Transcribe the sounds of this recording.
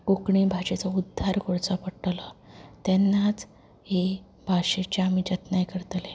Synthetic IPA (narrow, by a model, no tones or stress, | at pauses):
kokɳibʱaɕet͡saud̪ʱːaɾkoɽt͡sapəɽʈlat̪ɛnːat͡s | he | bʱaɕet͡ɕeamid͡ʑət̪najkəɾt̪le